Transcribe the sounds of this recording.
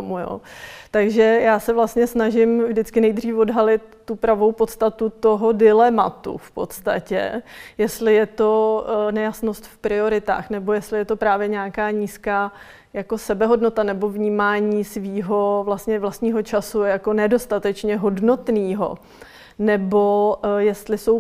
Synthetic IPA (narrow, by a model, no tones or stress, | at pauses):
omujo̰ːt̪aɡʒɛjaːsɛvlast̪ɲɛsnaʒɪmvdɪt͡skɪnɛjd̪r̝iːfo̞dɦalɪt̪ːupɾavo̞wpo̞t̪st̪at̪ut̪o̞ɦo̞dɪlɛmat̪ṵfpo̞̰t̪st̪a̰cɛ̰jɛst̪lɪjɛt̪o̞nɛjasno̞st̪fpɾɪo̞ɾɪt̪a̰ːxnɛbo̞jɛst̪lɪjɛt̪o̞pɾaːvjɛɲɛakaːɲiːskaː | jako̞sɛbɛɦo̞dno̞t̪anɛbo̞vɲiːmaːɲiːsviːɦo̞vlast̪ɲɛvlast̪ɲiːɦo̞t͡ʃasujako̞nɛdo̞st̪at̪ɛt͡ʃɲɛɦo̞dno̞t̪niːɦo̞̰ | nɛbo̞jɛst̪lɪsow